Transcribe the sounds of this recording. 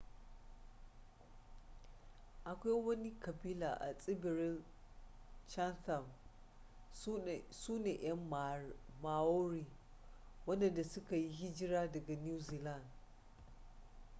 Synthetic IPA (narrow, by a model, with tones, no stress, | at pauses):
ʔa˨kʷa˦jwɐ˦ni˦kɐ˨biː˦la̰ː˨ʔa̰˨sʼɪ˦bɪ˨ɾɪ˦l | t͡ʃɐ˦nta˨m | suː˦neː˨ʔɐ˦m | ma˨woː˦ɾiː˨ | wɐ˦ndɐ˨nda˨sʊ˦ka˨ji˦ɦɪ˦d͡ʒɪ˦ɾaː˦dɐ˨ɡa˨nuː˦ziː˨la˦˨nd